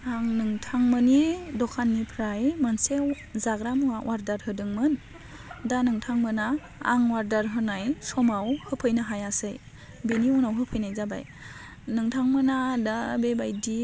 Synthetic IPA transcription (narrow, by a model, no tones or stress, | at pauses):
aŋnɯŋtʰaŋmɯnidɔkʰanːipʰɾajmanse | zaɡɾamuawʔaɾdaɾɦɯdɯŋmɯn | danɯŋtʰaŋmɯna̰ː | ŋwaɾdaɾɦɯnajsɔmawhɯpʰɯjnaɦajasɯj | beniunawɦɯpʰɯjnajzaba̰j | nɯŋtʰaŋmɯnadabebajdi